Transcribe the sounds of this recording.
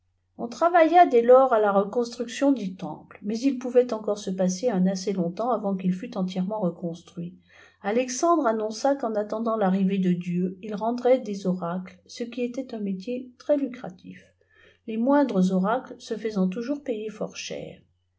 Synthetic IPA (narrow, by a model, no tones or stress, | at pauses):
ɔ̃t̪χavajad̪ɛlɔʁalaʁəkɔ̃st̪χyksjɔ̃d̪yt̪ɑ̰̃plmɛzilpuvɛt̪ɑ̃kɔʁsəpaseɛ̃naselɔ̃t̪ɑ̃avɑ̃kilfyt̪ɑ̃t̪jɛʁmɑ̃ʁəkɔ̃st̪χɥi | alɛksɑ̃d̪ʁanɔ̃sakɑ̃nat̪ɑ̃d̪ɑ̃laʁived̪əd̪jøilʁɑ̃d̪ʁɛd̪ezɔʁaklsəkʲiet̪ɛt̪ɛ̃met̪jet̪χɛlykχat̪ḭf | lemwɛ̃d̪ʁəzɔʁaklsəfəzɑ̃t̪uʒuʁpejefɔ̰ʁʃɛ̰ːʁ